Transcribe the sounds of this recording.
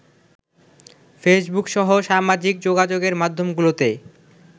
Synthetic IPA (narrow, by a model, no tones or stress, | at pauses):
fesbukʃɔɦoʃamad͡ʑik̚d͡ʑoɡad͡ʑoɡeɾmad̪ʱːomɡulot̪e